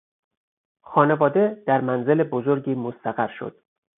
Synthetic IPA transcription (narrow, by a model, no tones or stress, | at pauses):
xɒːne̞vɒːd̪e̞d̪̥æɾmænze̞lebozo̞ɾɟiːmost̪æɣæɾʃo̰d̪̥